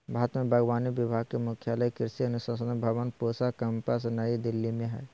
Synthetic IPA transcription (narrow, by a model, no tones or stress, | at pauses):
bʱaːt̪mẽbʱəɡʋaːnibɪbʱaːɡ̚kemʊkʰjaləjkɪɾsiɐnusasənbʱaʋənpoːsakəmpəs̬nəid̪ɪlːimẽɦɛː